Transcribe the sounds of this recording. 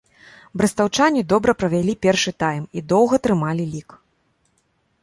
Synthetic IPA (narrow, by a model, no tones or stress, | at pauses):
bɾɐst̪awt͡ʂanʲid̪ɔbɾɐpɾɐvʲalʲipʲɛrʂɨt̪ajmid̪ɔwɣɐt̪ɾɨmalʲilʲik